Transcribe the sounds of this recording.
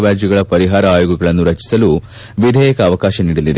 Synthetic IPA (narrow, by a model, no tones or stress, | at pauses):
ʋaːɾd͡ʒjuɡɐɭɐpɐɾiɦaːɾɐaːjuɡɐɡɐɭɐnːuɾɐt͡ʃi̥sɐlu | ʋid̪ʱɛːjɐkɐːʋɐkaːʃɐniːɽɐlːid̪e